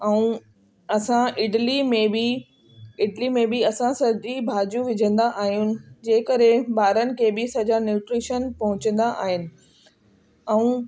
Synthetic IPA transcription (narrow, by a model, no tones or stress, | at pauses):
ɛũ | ɐsãɪʈlimẽbɪ | ɪʈlimẽbɪɐsãsɐd͡ʑibʱaːd͡ʑũʋɪd͡ʑʱə̃nd̪aʔaːɦijũnɪ̆d͡ʑeːkəɾebaːɾənɪ̆kʰeːbɪsɐd͡ʑanjuːʈɾiːʃənpɐɦʊ̃t͡ɕə̃nd̪aʔa̰ːɦɪnɪ̆ | ɛ̃ũ